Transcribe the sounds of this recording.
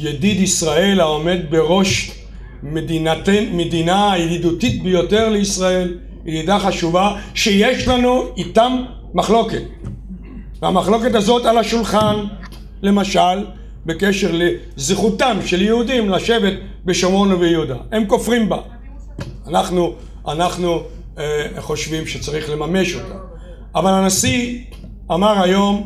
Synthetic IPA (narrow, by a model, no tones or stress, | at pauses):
jed̪id̪isʁae̞lao̞me̞d̪̚be̞ʁo̞ʃ | medinatemed̪inajeɦid̪ut̪it̪̚bejo̞t̪e̞ʁleisʁae̞l | edid̪aχaʃuvaʃejeʃlanuit̪amː | aχlo̞ket | veamaχlo̞ke̞t̪azo̞talaʃulχan | le̞maʃal | be̞ke̞ʃeʁle | zχutamʃe̞ljeud̪imlaʃe̞ve̞t̪̚ | beʃomo̞novejud̪aemko̞fʁimba | anaχnu | anaχnu | χo̞ʃvimʃet͡saʁiχlemame̞ʃo̞t̪am | avalanasi | amaʁajo̞m